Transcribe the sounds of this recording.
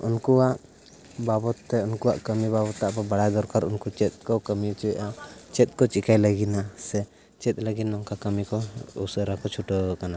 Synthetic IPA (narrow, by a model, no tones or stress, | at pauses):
unkuwaʔ | babɔt̪ːɛunkuwaʔkəmibabɔt̪ːaʔpabaɽad̪ɔɾkaɾunkut͡ʃɛt̪̚kɔkəmit͡ʃɛʔat͡ʃɛt̪̚ˀkɔt͡ʃikajləɡinasɛ | t͡ʃɛt̪̚ˀləɡinnɔŋkakəmikɔṵsəɾakɔt͡ʃʰuʈəkana